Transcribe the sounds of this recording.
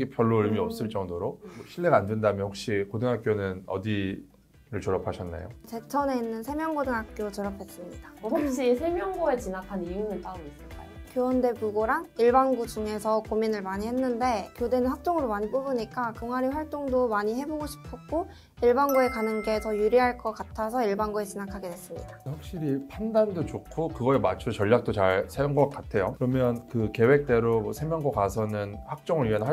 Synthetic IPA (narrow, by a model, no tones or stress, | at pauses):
ɡepʰjʌɭːoiɭmiʌp̚s͈ɯɭt͡ɕ͈ʌŋdoɾomʌɕʰiɭːe̞ɡaːndwendamjʌnhɸok̚ɕ͈ikodɯŋɦak͈jonɯnʌ̰di | ɾɯɭt͡ɕʌɾʌpʰaɕʰʌnːḛjot͡ɕe̞t͡ɕʰʌne̞inːɯnsʰe̞mjʌŋɡodɯŋɦak̚k͈jot͡ɕʌɾʌpʰe̞s͈ɯmɲid̥aakɕ͈isʰe̞mjʌŋɡoe̞t͡ɕinakʰanijunɯnpaɯmis͈ɯɭk͈a̰jokjowʌnde̞buɡoɾaŋiɭbaŋɡud͡ʑuŋe̞sʰʌkominɯɭmaɲihe̞nːɯnde̞kjode̞nɯnɸak̚t͡ɕ͈oŋɯɾomaɲip͈obɯɲik͈akɯŋaɾiɸwaɭt͈oŋdomaɲiɦe̞boɡoɕʰi̥pʰʌk͈o | iɭbaŋɡue̞kanɯnɡe̞tʌjuɾiɦaɭk͈ʌk͈atʰasʰʌiɭbaŋɡue̞t͡ɕʰinakʰaɡe̞dwe̞s͈ɯmɲḭdaɸjak̚ɕ͈iɾipʰandandot͡ɕokʰokɯɡʌemat͡ɕʰot͡ɕʌʎːjak̚t͈ot͡ɕaɭsʰeunɡʌk̚k͈atʰe̞jo̰kɯɾʌmjʌnkɯke̞wek̚t͈e̞ɾomʌsʰemjʌŋɡʌkasʰʌnɯnhak̚t͡ɕ͈ʌŋɯɾɥiʌnɦa